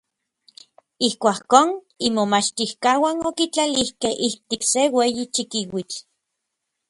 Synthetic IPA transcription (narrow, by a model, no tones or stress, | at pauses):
ihkʷakoːn | imomat͡ʃt̪ihkawanokit͡ɬalihkehʔiht̪iksewejit͡ʃikiwit͡ɬ